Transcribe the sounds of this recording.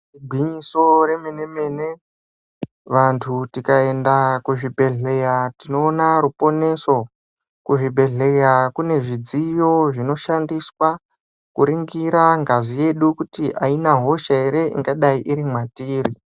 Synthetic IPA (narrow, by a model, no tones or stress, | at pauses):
riɡʱwiɲiso̞re̞mene̞me̞ne̞ | ʋantʰutikae̞ndakuʐibʱe̞ɮe̞jatino̞ːnaɾupo̞ne̞so̞ | kuʐibʱe̞ɮe̞jakune̞ʐid͡zijo̞ʐino̞ʃandiswa | kuɾiŋɡiɾaŋɡazije̞ɗukutiʔainaɦo̞ʃaeɾe̞ḭŋɡaɗaiʔiɾimwatiːri